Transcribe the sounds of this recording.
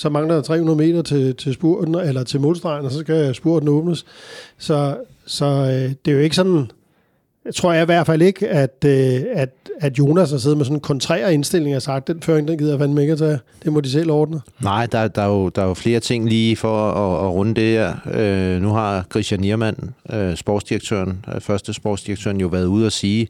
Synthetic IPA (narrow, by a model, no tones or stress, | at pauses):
sɒ̽mɑ̈ŋlɐdɑ̈t͡sʰʁɛ̰ːhunɐðˠme̝̰ːd̥ɐt͡sʰe̝t͡sʰe̝sb̥uɐ̰d̥n̩elɐt͡sʰe̝lmo̝lˠsd̥ʁɑ̈ɪnəsɒ̽sɡ̥æsb̥uɐ̰d̥n̩ɔ̽ːb̥nəssɒ̽ | sɒ̽d̥e̝æjo̝e̝ɡəsɒ̽nn̩ | t͡sʰʁo̝ɐ̰jɑ̈iʋæɐ̰d̥fæle̝ɡ̥æd̥øæd̥æd̥jo̝ːnæsɑse̝ːðˠmesɒ̽n̩kʰɒ̽nt͡sʰʁɛ̰ːɐe̝nsd̥e̝l̰e̝ŋæsɑ̈ɡ̥d̥enføɐeŋd̥enɡið̰ˠɐjfænmeɡ̥æt͡sʰæd̥e̝mɒd̥is̬el̰ɒːd̥n̩ənɑ̈ɪ̰d̥ɑ̈d̥ɑ̈jo̝d̥ɑ̈jofle̝ːɐt͡sʰe̝ŋ̰liːfɒːʁɔnəd̥e̝heɐ̰ønuɦɑ̈kʰʁisjæniɐmæn̰øsb̥ɒ̰ːd̥sd̥iʁɐɡ̥̚t͡sʰø̰ɐnfɶɐsd̥əsb̥ɒ̰ːdsd̥iʁɐɡ̥̚t͡sʰø̰ːɐnjo̝ʋæɐðˠuð̞̰ˠæsiː